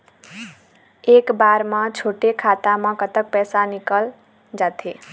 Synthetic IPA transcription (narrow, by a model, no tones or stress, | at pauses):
ekbaɾmʌ̃t͡ʃʰoʈekʰat̪amʌ̃kət̪ək̚pɛsanikəl | d͡ʒat̪ʰe